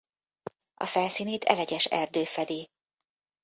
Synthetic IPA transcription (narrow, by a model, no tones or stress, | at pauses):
ɒ̰fɛlsiːneːt̪ʰɛ̰lɛɟɛʃɛrd̪øːfɛd̪i